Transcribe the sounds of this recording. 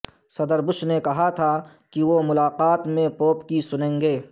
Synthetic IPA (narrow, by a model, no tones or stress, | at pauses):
sɐd̪əɾbʊʃnekɐɦat̪ʰa | kiʋomʊlaːqaːt̪mẽpoːpkisʊnẽːŋɡeː